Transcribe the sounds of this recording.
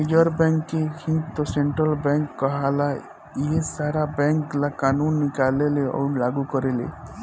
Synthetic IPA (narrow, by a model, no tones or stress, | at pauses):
nid͡ʒəɾbɛŋkːehĩnɡt̪ɔseɳʈɾəlbɛŋkːɔɦala | iesaɾabɛ̃ŋklakanunːikaleleʔɔ̰nlaɡukɔɾelḛ